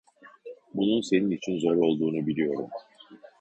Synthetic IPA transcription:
bununse̞ninit͡ʃʰinzo̞ɾo̞lˠd̪uːnubilʲijo̞ɾum

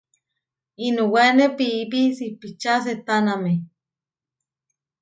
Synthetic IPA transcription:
inuwenepipisipit͡ʃas̬et̪aname

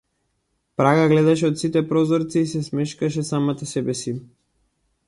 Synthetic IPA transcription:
pɾaɡaɡlɛd̪aʃɛɔt̪sit̪ɛpɾɔzɔɾt̪siːsɛsmɛʃkaʃ̬ɛsamat̪asɛbɛsi

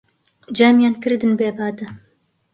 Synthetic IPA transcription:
d͡ʒæmjɑːnkɨɾd̪ɨnbeːbaːd̪ɨ

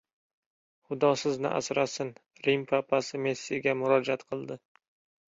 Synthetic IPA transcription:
χʊd̪ɒsɪznɪ̰ʔa̰sɾasɪn | ɾimpʰapʰasɪme̞sːiɡʲamʊɾɒd͡ʒat̪qʰɨlˠd̪ɪ

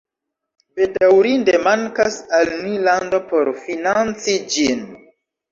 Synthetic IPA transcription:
b̥e̞dawɾinde̞maŋkasalnilando̞po̞ɾfinant͡sid͡ʒin

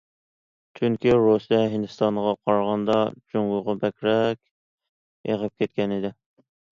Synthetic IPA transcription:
t͡ʃʰyŋkʲiɾosijɛɦɪnd̪ɨst̪ɑnʁɑqʰɑɾʁɑnd̪ɑd͡ʒoŋʊʁɑbɛkʲɾɛkʲ | eʁəp̚kʲet̪̚kʲɛnɪd̪ɪ

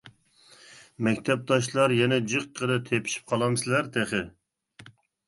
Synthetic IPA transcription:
mɛkʲt̪ʰɛp̚d̪ɑʃlˠɑɾjɛnɛd͡ʒɨq̚qʰːəd̪ɨt̪ʰepʰi̥ʃi̥p̚qʰɑlˠɑmsɪlæɾt̪ʰɛχɪ

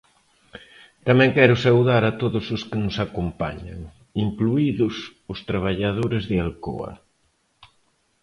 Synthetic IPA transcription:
t̪amɛ̃ŋkɛɾʊsawðaɾat̪oðʊsʊskɪnʊsakompa̰ɲa̰ŋ | iŋkluiðʊsʊst̪ɾaβ̞aʎaðoɾezðɪalko̰ɐ̰

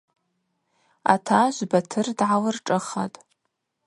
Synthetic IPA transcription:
a̰tʰaʒʷbatʰɨrdʕalɨrʈ͡ʂʼɨχa̰tʼ

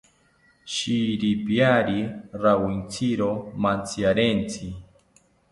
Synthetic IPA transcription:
ʃiɾipjaɾiɾawint͡sʰiɾomant͡sʰjaɾent͡sʰi

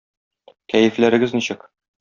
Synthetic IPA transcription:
kæjɘ̆flæɾɘ̆ɡɘzniɕɘk

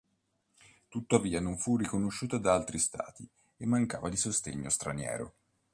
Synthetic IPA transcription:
t̪ut̪ːaviːanoɱfurːikonoʃːuːt̪ad̪aalt̪ɾist̪a̰ːt̪i | emːaŋka̰ːvad̪isost̪ḛɲːost̪ɾanjɛ̰ːɾo̰

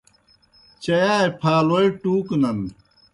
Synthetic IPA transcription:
t͡ɕɐjaːjpʰaːloiʈuːknɐn

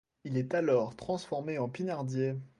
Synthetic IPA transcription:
ilɛt̪alɔʁt̪χɑ̃sfɔʁmeɑ̃pinaʁd̪je

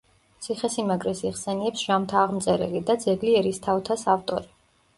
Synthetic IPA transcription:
t̪sʰiχɛsimaɡɾɛsiχsɛniɛpsʒ̥amt̪ʰaːʁmt̪sʼɛɾɛlid̪ad̪zɛɡliɛɾist̪ʰavt̪ʰasaft̪ʼɔ̰ɾi

